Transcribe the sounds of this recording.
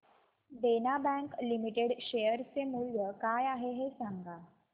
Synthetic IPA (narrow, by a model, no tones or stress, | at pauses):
ɖenabɛ̃ŋklimiʈeɽɕejəɾt͡semuljəkajaɦeɦesaŋɡa